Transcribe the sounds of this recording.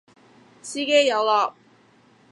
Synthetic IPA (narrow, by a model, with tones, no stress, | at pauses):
siː˥ke˥jjɐ˨˧wlɔː˨˧k̚